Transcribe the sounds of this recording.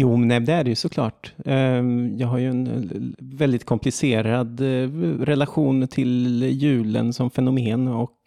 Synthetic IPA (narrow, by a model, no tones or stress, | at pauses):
juːmɛnɛd̪ɛæɖɛjɵsɔkʰlɑ̰ːʈ | jɑːɡɦaɾjɵɛn | vɛld̪ɪt̪̚kʰɔmpʰlɪseːɾad̪ɾɛlaɧuːnt̪ʰɪljʉ̟ːlə̰nsɔmfɛnʊmeːnɔk